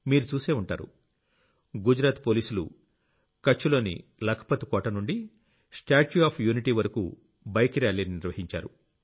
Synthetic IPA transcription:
miːɾut͡ʃuːse̞ːuɳʈa̰ːɾṵ | ɡud͡ʒɾaːt̪po̞ːliːsulṵ | kɐt͡ʃːulo̞ːnḭlɐkʰɐ̥pɐt̪ikɔːʈɐnuɳɖi | sʈaːt͡ʃuaːpʰjuːniʈiːʋɐɾɐkṵ | bɐjkiɾaːɭininiɾʋɐɦiɲt͡ʃa̰ːɾu

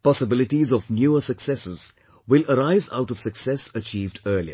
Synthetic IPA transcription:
pɔsəbɪlɪʈizɔʋnjuːəsəksɛsɪz̥ | wɪləɾaɪza̰ʊʈɔʋ̥səksɛsət͡ʃiːvɖəːliə̰

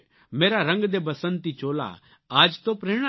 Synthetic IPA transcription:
meːɾaɾɐ̃ŋɡd̪ebɐsənt̪it͡ʃoːla̰ | aːd͡ʒt̪opɾeːɽ̃a

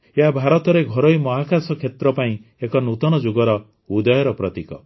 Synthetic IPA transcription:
eɦabʱaɾɔt̪ɔɾeɡʱɔɾɔjmɔɦakasɔkʰet̪ɾɔpaĩekɔnut̪ɔnɔd͡ʒuɡɔɾɔ | ud̪ɔjɔɾɔpɾɔt̪ikɔ̰

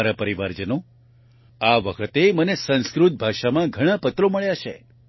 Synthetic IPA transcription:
ɾəpəɾiʋaɾd͡ʒəno | aʋəkʰət̪emənesə̃nskɾut̪̚bʱaʃamãɡʱəɽ̃apət̪ɾoməɭjat͡ʃʰḛ

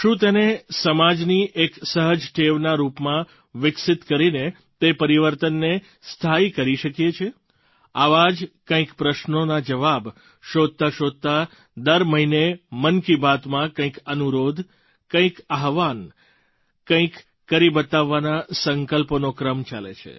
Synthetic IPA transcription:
ʃũt̪enesəmad͡ʒniʔeksəɦəd͡ʒʈ̪ʰeʋnaɾupmã | ʋɪksɪt̪kəɾine | t̪epəɾiʋəɾt̪ənːe | st̪ʰaikəɾiʃəkjet͡ʃʰe | aʋad͡ʒkə̃ĩkpɾəʃnonad͡ʒəʋab | ʃod̪̚t̪aʃod̪̚t̪a | d̪əɾməɦinemənkibat̪mãkə̃ĩkənuɾod̪ʱ | kə̃ĩkaɦʋan | kə̃ĩkː | əɾibət̪aʋːanasəŋkəlponokɾəmt͡ʃalḛt͡ʃʰḛ

